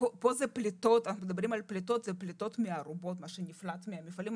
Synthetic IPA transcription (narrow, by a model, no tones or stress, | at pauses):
popozɛplit̪o̞t̪anaxnumed̪abɾimalplʲit̪ot̪zɛplʲit̪o̞t̪mɪaɾubo̞t̪maʃenʲiflat̪miamʲifalim